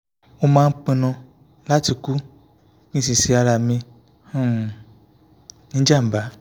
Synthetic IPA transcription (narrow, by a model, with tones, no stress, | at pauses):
wo˦mãː˦ŋ̩˦k͡pẽ˧nɔ̃˧ | la˦ti˨ku˦ | kĩ˦s̬ĩ˨si˦a˨la˨mẽ˧ | hũ˦˨ | nĩ˦d͡ʒa˦˨m̩˨ba˨˦